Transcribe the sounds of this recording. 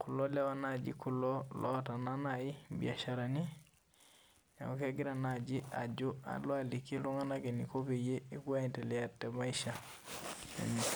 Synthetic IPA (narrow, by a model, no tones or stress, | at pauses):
kulolɛwanad͡ʒḭkulolɔtananajibḭaʃaɾani | a̰okeɡiɾanad͡ʒia̰d͡ʒua̰loalikːiluŋanaɡenikopejeikuanteliatemaiʃa | ḛn